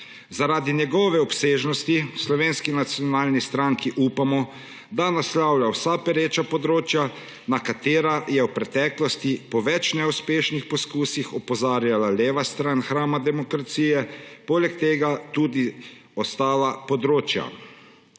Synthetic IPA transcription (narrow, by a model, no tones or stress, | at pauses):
zaɾaːd̪injɛɡɔʋɛɔpseːʒnɔst̪islɔʋeːnskinat̪sjɔnaːlnist̪ɾaŋkiʔuːpamɔ | d̪anaslawljawsapɛɾeːt͡ʃapɔd̪ɾoːt͡ʃja | nakat̪eːɾajɛwpɾɛt̪ɛːklɔst̪ipɔʋɛt͡ʃnɛuspeːʃnixpɔskuːsixɔpɔzaːɾjalaleːʋast̪ɾanxɾaːmad̪ɛmɔkɾat̪siːjɛpoːlɛk̚t̪eːɡat̪uːd̪i | ɔst̪aːlapɔd̪ɾoːt͡ʃja̰